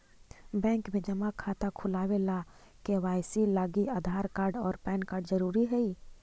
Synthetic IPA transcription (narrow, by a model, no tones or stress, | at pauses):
bɛ̃ːŋkmẽd͡ʒɐmakʰaːt̪akʰʊlaːwela | keʋaːjsilaːɡiaːd̪ʱaːɾkaːɾɖɔːɾpɛːnkaːɾɖzəɾuːɾiɦɛiː